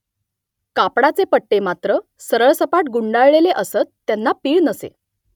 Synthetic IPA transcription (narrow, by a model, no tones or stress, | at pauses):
kapɽat͡sepəʈːemat̪ɾə | səɾəɭsəpaʈɡuɳɖaɭɭeleʔəsət͡s̪ːjanːapiːɭnəsḛ